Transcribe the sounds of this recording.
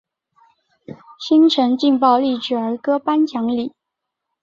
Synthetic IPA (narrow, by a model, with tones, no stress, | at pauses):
ɕi˥ŋʈ͡ʂʰə˧˥ŋt͡ɕi˥˧ŋpɑ˥˧ʊli˥˩ʈ͡ʂ̩˨˩ə˞˧˥kɤ˥pa˥nt͡ɕʰjɑ˧˥ŋli˨˩˦